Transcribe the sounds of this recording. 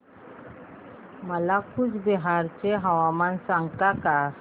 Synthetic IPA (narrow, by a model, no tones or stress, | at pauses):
məlakut͡sbɛɦaɾt͡ɕeɦaʋamansaŋɡt̪aka